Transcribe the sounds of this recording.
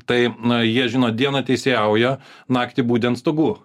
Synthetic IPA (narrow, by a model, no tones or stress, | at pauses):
t̪ɐɪjiɛʒʲɪnoːd̪ʲiɛnɐt̪ʲɛɪsʲeɛʊjɛnɑːkt̪ʲibuːt̪ʲɛnt̪st̪oɡuː